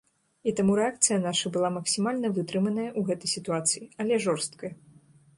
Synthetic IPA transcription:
it̪amuɾɛak̚t̪sɨjɐnaʂɐbɨlˠamɐksʲimalʲnɐvɨt̪ɾɨmɐnɐjɐʔuɣɛt̪ɐjsʲit̪uat̪sɨjiɐlʲɛʐɔrst̪̚kɐjɐ

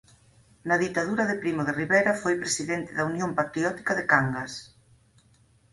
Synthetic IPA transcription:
nɐðit̪aðuɾɐðepɾimʊðeriβɛɾɐfojpɾesiðɛnt̪ɪðɐunjompat̪ɾiɔt̪i̥kɐðekaŋɡas

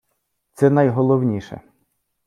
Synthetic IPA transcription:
t̪sɛnɐjɦɔlˠɔwnʲiʃɛ̰

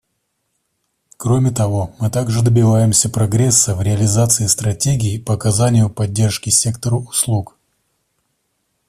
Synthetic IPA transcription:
kɾo̞mʲɪt̪ɐvo̞mɨt̪aɡʐɨd̪əbʲɪvajɪmsʲəpɾɐɡɾʲesːəvɾʲɪɐlʲɪzat̪sɨɪst̪ɾɐtʲeɡʲɪːpəɐkɐzanʲɪjʊpɐdʲːe̞rʂkʲɪsʲe̞kt̪əɾəʊslˠuk

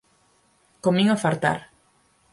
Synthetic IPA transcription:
komiŋofaɾt̪a̰ɾ

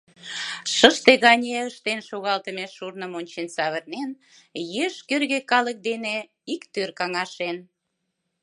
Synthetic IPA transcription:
ʃəʃt̪eɣɑnʲeəʃt̪enʃoɣɑlt̪əmeʃurnəmonʲt͡ɕensɑβərnen | jeʃkørɣekɑlək̚d̪ene | ikt̪ørkɑŋɑʃen

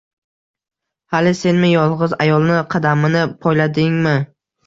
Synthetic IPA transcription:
halɪse̞nmɪjɒlˠʁɨza̰jɒlˠnɪqʰɑd̪amɪnɪpʰɒjlad̪ɪŋmɪ

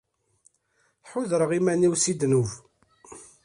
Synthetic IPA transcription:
ħʊðɾəʁimæniwsid̪nuv

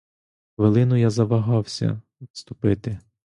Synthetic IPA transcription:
ʋelˠɪnʊjazɐʋɐɦɑwsʲɐ̰ | t̪st̪ʊpɪt̪ɪ

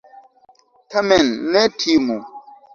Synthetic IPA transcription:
tamɛnːɛtʰimu

